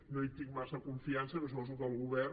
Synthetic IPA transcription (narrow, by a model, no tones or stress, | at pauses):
noit̪iŋmasəkuɱfiansənɾos̬upɔzukəlˠɣuβɛr